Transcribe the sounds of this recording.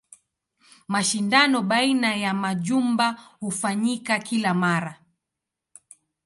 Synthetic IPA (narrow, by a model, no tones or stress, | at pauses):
maʃindanɔɓainajamaʄumbahufaɲikakilamaɾa